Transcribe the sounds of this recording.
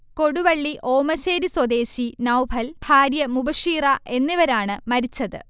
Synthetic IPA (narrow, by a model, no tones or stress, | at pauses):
ko̞ɽuʋɐɭːiʔʔo̞ːmɐɕeːɾiswɐd̪e̞ːɕinɐwbʱɐlbʱaːɾjɐmubɐʂiːrɐʔe̞nːiʋɐɾaːɳɨmɐɾit͡ɕːɐðɨ̰